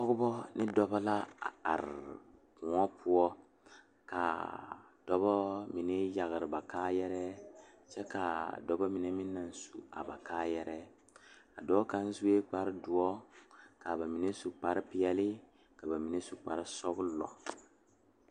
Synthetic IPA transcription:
sɔ˦ɡʊ˦bɔ˦nɪ˦dɔ˦bɔ˦la˦a˨a̰˨ɾ | kũ˨ɔ˦pʰʊ˦ɔ˦ | ka̰˨ | d̥ɔ˦bɔ˦mi˨ne˦ja˨ɣɾɪ˨ba˨kaː˦jɛ˦ɾɛ˦ | t͡ʃɛ˦ka˨dɔ˦bɔ˦mi˨ne˦mi˦nːa˨n˦su˨a̰˨ba˨kaː˦jɛ˦ɾɛ˦ | a˨dɔ˦ka˦n˦zu˦e˦k͡pa˦ɾdʊ˨ɔ˦ka˨ba˨mi˨ne˦su˨k͡pa˨˦ɾɪ˦pɪ˦jɛ˦lɪ˦ | ka˨ba˨mi˨ne˦su˨k͡pa˨ɾɪ˦sɔ˦ɡʊ˦lɔ̰˨

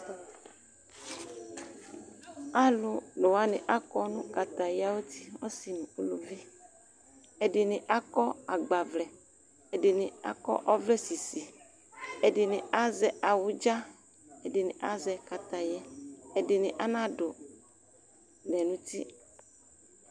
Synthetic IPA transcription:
a˦lo˦no˨wa˦nɪ̰̃˨ʔa˦kɔ˦nũ˦ka˨t̪a˨ja˦wo˦t̪i˦wɔ˦si˨nũ˨o˦lo˨vi˦ | e˨ɖɪ˨nɪ̃˨ʔa˦kɔ˦a˨ɡ͡ba˨vlɛ˨ | e˨dɪ˨nɪ̃˨a̰˦kɔ̰˦ʔɔ˦vlɛ˦si˨si˨ | e˨dɪ˨nɪ̃˨a˦zɛ˨a˨wu˦d͡ʒa˦ | e˨dɪ˨nɪ̰̃˨ʔa˦zɛ˨ka˨t̪a˨jɛ˦e˨dɪ˨nɪ̃˨ʔa˦nã˦ɖo˨ | nɛ˨nũ˦t̪i˦

